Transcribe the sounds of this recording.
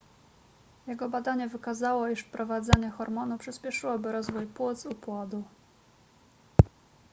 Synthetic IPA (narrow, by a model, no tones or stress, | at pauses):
jɛɡɔbad̪aɲɛvɘkazawɔiʂfpɾɔvad̪zaɲɛxɔɾmɔnupʂɘspʲɛʂɘwɔbɘɾɔzvujpwut̪zupwɔd̪u